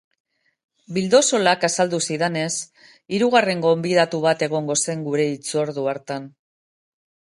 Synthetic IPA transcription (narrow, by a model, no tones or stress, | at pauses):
bild̪o̞so̞lakasald̪usiðene̞s | iɾuɣ̞are̞ŋɡo̞mbið̞at̪uβ̞at̪e̞ɣ̞o̞ŋɡo̞se̞ŋɡuɾe̞it͡soɾðuaɾt̪an